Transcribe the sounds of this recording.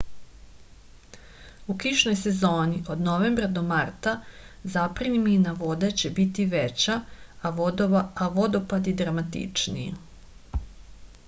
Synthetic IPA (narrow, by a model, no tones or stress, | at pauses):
ukiʃno̞jse̞zo̞ːniʔo̞d̪no̞ʋembɾad̪o̞maɾt̪a | zapɾinminaʋo̞d̪et͡ɕe̞bit̪iʋet͡ɕa | aʋo̞d̪o̞pad̪id̪ɾamat̪ḭt͡ʂnḭjḛ